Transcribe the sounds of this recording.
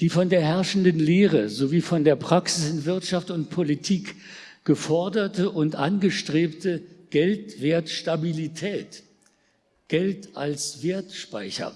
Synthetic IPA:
d̥iːfɔndeːɐɦɛɐʃn̩dənleːʁ̞əzoviːfɔndeːɐpʁ̥aksɪsɪnvɪɐtʃaftʊntpʰolitʰiːk | ɡ̥əfɔɐdɐtəʔʊntʔa̰nɡəʃtʁ̥eːptəɡ̥ɛltv̥eːɐtʃtabilitʰɛːt | ɡ̥ɛltʔa̰lsv̥eːɐtʃpaɪçɐ̰

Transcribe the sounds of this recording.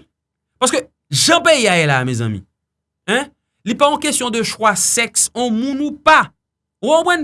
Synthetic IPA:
paskø | ʒɐ̃peiajɛlamɛzã̰mḭ̃ | ɛ̃ | lipaɔ̃kestjɔ̃d̪əʃwasɛksõmũnũpa | wobwɛ̃n

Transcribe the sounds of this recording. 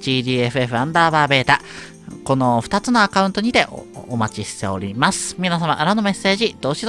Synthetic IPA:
d͡ʑiːd̪ʲiːe̞ɸɯe̞ɸɯ̟ãnd̪aːβaːbe̞ːt̪a | ko̞no̞ɸɯ̥t̪at͡sɨno̞akaɯ̃nt̪o̞ɲ̟it̪e̞ʔomat͡ɕiɕi̥t̪e̞o̞ɾʲimasɨ̥mʲinasama̰ʔɯɾano̞me̞sːe̞ːʑid̪̥o̞ːɕiz

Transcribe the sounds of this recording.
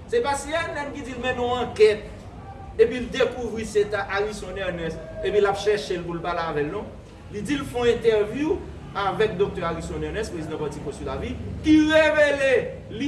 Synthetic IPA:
sepasiɛlɛ̃mkid͡zilmɛ̃nɔ̃ãkɛt̪̚ | epild̪ekuvʁiset̪aʔaʁisɔ̃nɛʁnɛs | epĩlapʃɛʁʃelpulpalavɛlnɔ̃ | lid͡zilfɔ̃ɛ̃t̪ɛʁvju | avɛk̚d̪ok̚t̪œʁaʁisɔ̃nɛʁnɛspʁezid̪ãpaʁtikɔ̃sulavikiʁevele | li

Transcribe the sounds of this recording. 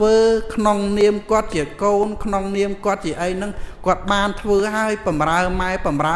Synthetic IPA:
əːkʰnoŋniəmkŏət̪̚t͡ɕiəkoːnkʰnoŋniəmkŏət̪̚t͡ɕiəʔəjnɨŋkŏət̪̚ɓaːnt̪ʰʋəːɦaəjpɑmraəmaɛpɑmra

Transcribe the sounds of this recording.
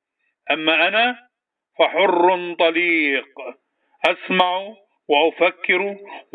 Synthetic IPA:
ʔamːaːʔanaː | faħʊrːt̪ˤɑliːq | ʔasmaʕ | waʔʊfakːɪɾ

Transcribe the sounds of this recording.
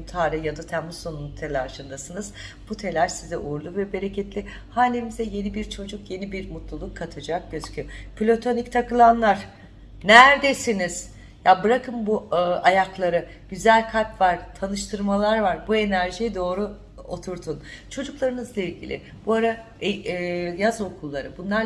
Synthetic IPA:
t̪ʰaːɾɛjad̪at̪ʰæmuonunut̪ʰelʲaɾʃɯnd̪asɯnɯzb̥ut̪ʰe̞lʲæɾsizɛʔuɾlˠuvɛbe̞ɾecʰɛt̪lʲɪ | haːlʲemizɛje̞nibiɾt͡ʃʰo̞d͡ʒukje̞nibiɾmut̪lˠulˠukʰːat̪ʰad͡ʒak̚ɟøzcʰypʰilʲo̞t̪ʰo̞nict̪ʰakɯlˠanlˠaɾ̥ | næɾd̪e̞siniz̥ | jabɯɾakʰɯmbuʔajaklˠaɾɯ | ɟ̥yzælʲkʰalʲpvaɾ̥t̪ʰanɯʃt̪ʰɯɾmalˠaɾvaɾbue̞næɾʒijɛd̪o̞ːɾu | o̞t̪ʰuɾt̪ʰunt͡ʃʰo̞d͡ʒuklˠaɾɯnɯzlˠailʲɟʲḭlʲɪ̰ | b̥uaɾa | jazo̞kʰulˠːaɾɯbunlˠaɾ

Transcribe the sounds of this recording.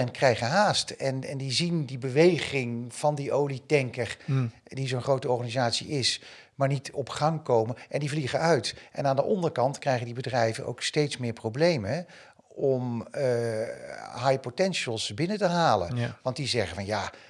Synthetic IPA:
ɛnkrɛjχənɦaːstɛnɛndizindibəʋejχɪŋv̥ɑndiʔowlitɛŋkəɹ | dizonχrowtəɔɹχaːnizaːtsḭɪs | maːɹnitɔpχɑŋkowməɛndivliχəœɥtʔɛnaːndəʔɔndəɹkɑntkrɛjχədibədrɛjvəno̰wkstejtsmɪːɹprowblejmə | ɔm | ɦajpotɛnʃəlˠsbɪnətəɦaːlə̰nʋɑnt̚dizɛχəvɑnjaː

